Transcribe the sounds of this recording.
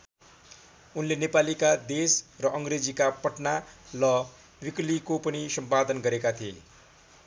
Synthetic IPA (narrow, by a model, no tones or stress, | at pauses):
unlenepalikad̪esrʌʔʌŋɡred͡zikapʌʈnalʌ | wiklikopʌnisʌmpad̪ʌnɡʌɾekat̪ʰiḛ